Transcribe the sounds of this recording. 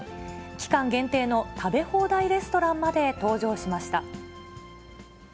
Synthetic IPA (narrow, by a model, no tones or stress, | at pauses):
kʲi̥kãŋɡẽ̞nt̪e̞ːno̞t̪ʰabe̞ho̞ːd̪aiɾe̞sɨ̥t̪o̞ɾãmmad̪e̞t̪o̞ːʑo̞ːɕimaɕi̥t̪a